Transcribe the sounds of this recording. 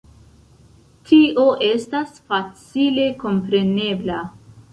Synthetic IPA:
tʰiʔo̞ʔe̞stasfat͡sile̞ko̞mpɾe̞ne̞bla

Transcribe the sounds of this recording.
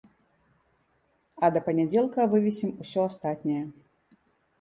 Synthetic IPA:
ɐd̪ɐpɐnʲɛd͡zʲɛlˠkɐvɨvʲɛsʲimusʲɔast̪at̪ʲnʲɛjɛ

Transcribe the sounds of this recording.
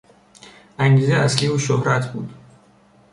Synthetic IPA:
æŋɡizɛasliuʃohɾat̪ʰbud̪

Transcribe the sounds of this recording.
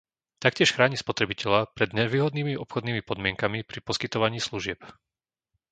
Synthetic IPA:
t̪akcɪɛʃxɾaːɲispɔt̪ɾɛbicɛʎapɾɛd̪ɲɛʋiːɦɔd̪niːmiɔpxɔd̪niːmipɔd̪mɪɛŋkamipɾipɔskit̪ɔʋaɲiːsluʒɪɛp

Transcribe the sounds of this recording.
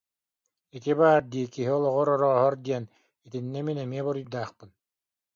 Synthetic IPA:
ikibaːɾd̪iːkiɦiɔlˠɔʁɔɾɔɾɔʁɔɦɔɾd̪iɛn | it̪inːɛminɛmiɛbɔɾujd̪aːχpɯn

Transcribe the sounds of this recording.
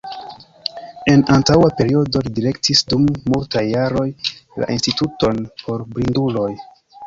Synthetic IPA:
e̞nantawape̞ɾio̞do̞lidiɾe̞k̚tisdumːultajːaɾo̞jlʔa̰ʔinstituto̞npʰo̞ɾbɾindulo̞j

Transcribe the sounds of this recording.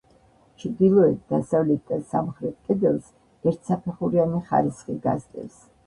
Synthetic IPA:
t͡ʃʰd̪ilˠɔɛt̪̚d̪̥asavlɛt̪̚ʰd̪asa̰mχɾɛt̪̚ʰkʼɛd̪ɛlˠs | ɛɾt̪ʰsapʰɛχuɾianiχa̰ɾisχiɡa̰zd̪ɛ̰ps

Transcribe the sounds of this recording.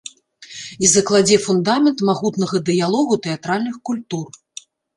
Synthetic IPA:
izɐklˠad͡zʲɛfund̪amʲɛnt̪maɣut̪nɐɣɐd̪ɨjalˠɔɣut̪ɛat̪ɾalʲnɨxkulʲt̪ur

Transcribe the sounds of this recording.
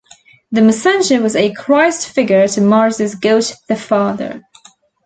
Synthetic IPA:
ðɨmɨsʌ̃nʒɨwʌzɨkʰɹ̥aɪstfɪɡə˞ɾɨmɑɹzɨzɡoʊtðɨfɑðə̰˞

